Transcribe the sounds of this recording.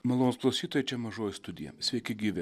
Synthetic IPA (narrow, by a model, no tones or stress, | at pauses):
mɐlˠoːnːsklˠɐʊsʲiːt̪oːjɛt͡ʃʲɛmɐʒoːjɪst̪ʊd̪ʲɪjɛ̰sʲʋʲɛɪkʲɪɡʲiːʋʲɛ